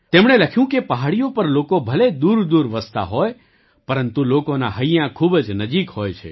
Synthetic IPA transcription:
t̪emɳ̃eləkʰjũkepəɦaɭijopəɾlokobʱəled̪uɾd̪uɾʋəst̪a̰ɦoj | pəɾənt̪ulokonaɦəjãkʰubd͡ʒnəd͡ʒikhojt͡ʃʰḛ

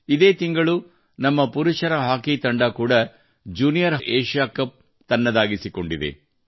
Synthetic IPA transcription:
id̪e̞ːt̪iŋɡɐɭu | nɐmːɐpuɾuʂɐɾɐɦaːkit̪ɐɳɖakuːɽɐ | d͡ʒuːnijɐɾɦʔeːʂaːkɐp̚ | t̪ɐnːɐd̪aːɡisiko̞ɳɖid̪ḛ

